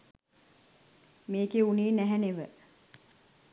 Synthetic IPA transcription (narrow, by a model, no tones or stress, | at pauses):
meːkeuniːnæɦæneʋə